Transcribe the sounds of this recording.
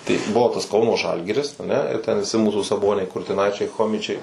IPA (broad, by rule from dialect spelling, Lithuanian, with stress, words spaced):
tɐɪ ˈbʊʋoː tɐs ˈkɐʊnoː ˈʒɐlʲɡʲɪrʲɪs ɐˈnʲɛ ɪr tʲɛn ʋʲɪˈsʲɪ ˈmuːsuː sɐˈboːnʲɛɪ kʊrʲtʲɪˈnɐɪt͡ʃʲɛɪ ˈxoːmʲɪt͡ʃʲɛɪ